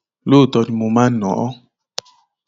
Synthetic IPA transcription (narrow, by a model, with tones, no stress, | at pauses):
lo˦˨t̪ɔ˨ni˨mo˨mã˦nɔ̃˨ɔ˦